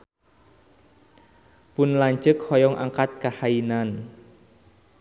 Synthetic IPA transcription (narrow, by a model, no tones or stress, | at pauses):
pʊnlaɲt͡ʃəkhɔjɔŋʔaŋkat̪̚kahainan